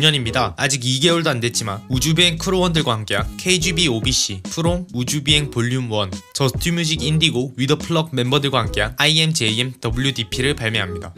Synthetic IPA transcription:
ɲʌɲimɲidaad͡ʑiɡiɡe̞uɭdoandwe̞t̚t͡ɕ͈imanud͡ʑubie̞ŋkʰɯɾowʌndɯɭɡwahamk͈e̞ɦankʰe̞id͡ʑibiobiɕ͈ipʰɯɾoŋud͡ʑubie̞ŋpoʎːjumwʌnt͡ɕʌsʰtʰimjud͡ʑʰiɡindiɡoɥidʌpʰɯɭʌɡ̚me̞mbʌdɯɭɡwahamk͈e̞ɦanaie̞md͡ʑe̞iemdʌbɯɭjudipʰiɾɯɭpaɭmjʌɦamɲida̰

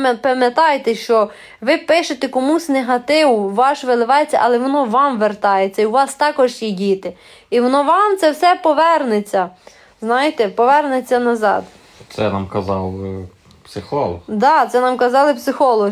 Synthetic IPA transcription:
pɐmʲjɐt̪ɑjt̪ɛʃt͡ʃɔ | ʋɪpɪʃet̪ekɔmusʲneɦɐt̪ɪʋʊʋɑʃʋelˠɪʋɑjet͡sʲːɐʔɐlˠɛʋɔnɔʋɑmʋert̪ɑjet͡sʲːɐiuʋɑst̪ɑkɔʒjidʲit̪ɪ | iʋɔnɔʋɑmt̪sɛwsɛpɔʋɛrnet͡sʲːɐ | znɑjet̪ɛpɔʋɛrnet͡sʲːɐnɐzɑ̰d̪ | t̪sɛnɑmkɐzɑlˠ | psɪxɔlˠɔd̪ɑt̪sɛnɑmkɐzɑlˠɪpsɪxɔlˠɔ

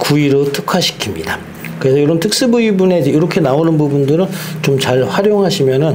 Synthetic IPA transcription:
kuiɾotʰɯkʰaɕʰi̥kʰimɲḭda | kɯɾe̞sʰʌjoɾʌmtʰɯk̚s͈ɯbuibune̞d͡ʑeiɾʌkʰe̞naonɯnbubundɯɾɯnt͡ɕomt͡ɕaɭɸwaɾjoŋɦaɕʰimjʌnɯn

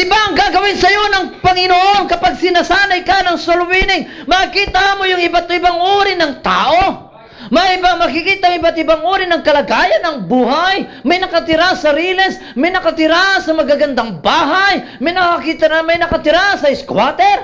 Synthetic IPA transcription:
ʔɪbaʔɐŋɡaɡɐwɪnsɐjo̞nɐŋpɐŋɪnoʔonkɐpaɡ̚sɪnasaːnɐjkanɐŋsolwinɪŋmɐkiːt̪aʔamojʊŋɪbat̪ɪbaŋʔoːɾɪnɐŋt̪a̰ːʔo̞ | mɐjɪbaŋmɐkikiːt̪aŋɪbat̪ɪbaŋʔoːɾɪnɐŋkɐlaɡaːjɐnɐŋbuːɦajmɐjnɐkɐt̪ɪɾasɐɾiːlɛs | mɐjnɐkɐt̪ɪɾasɐmɐɡaɡɐnd̪aŋbaːɦajmɐjnɐkakit̪ɐɾamɐjnɐkɐt̪ɪɾasɐɪskwat̪ɛɾ

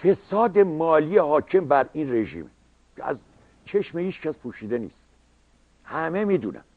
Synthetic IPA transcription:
fe̞sɒːd̪e̞mɒːlijehɒːcʰe̞mbæɾiːnre̞ʒḭːm | cʰeæ̰z | t͡ʃʰeʃmehiːt͡ʃcæspʰuːʃiːd̪enḭːst̪ | hæmemiːd̪uːnæ̰m

